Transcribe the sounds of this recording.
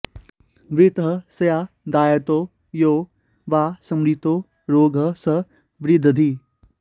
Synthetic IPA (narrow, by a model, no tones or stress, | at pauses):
ʋɾɪt̪ɦəsɐjaː | d̪aːjət̪oː | joː | ʋaːsɐmɾiːt̪oː | ɾoːɡʱə̆sɐ | ʋɾɪd̪ʱəd̪ʱiː